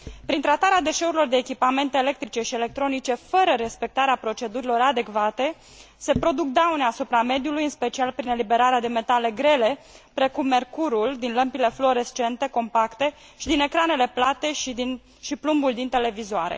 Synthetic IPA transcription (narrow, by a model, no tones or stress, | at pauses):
pɾint̪ɾat̪aɾead̪e̞ʃe̞uɾilo̞rd̪e̞ːkʲipame̞nt̪eːle̞k̚t̪ɾit͡ʃe̞ʃiele̞k̚t̪ɾo̞nit͡ʃe̞fəɾəɾe̞spe̞k̚t̪aɾeapɾo̞t͡ʃe̞d̪uɾilo̞ɾad̪e̞kvat̪e̞ | se̞pɾo̞d̪uk̚d̪awneasupɾame̞d̪julujɨnspe̞t͡ʃialpɾine̞libe̞ɾaɾead̪e̞me̞t̪ale̞ɡɾe̞le̞pɾe̞kumːe̞rkuɾuld̪inləmpile̞flo̞ɾest͡ʃe̞nt̪e̞ko̞mpakt̪e̞ | ʃid̪ine̞kɾane̞le̞plat̪e̞ʃd̪in | ʃiplumbuld̪int̪e̞le̞vizoa̰ɾḛ